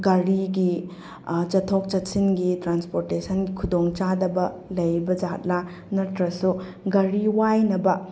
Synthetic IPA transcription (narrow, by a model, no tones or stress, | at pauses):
ɡɐɾiɡi | t͡ʃɐtʰok̚t͡ʃɐtsinɡitɾanspoɾtesʰɐnɡikʰudoŋt͡ʃadɐbɐlɐjbɐd͡ʒat̚la | nɐɾtɾɐsu | ɡɐɾiwajnɐbɐ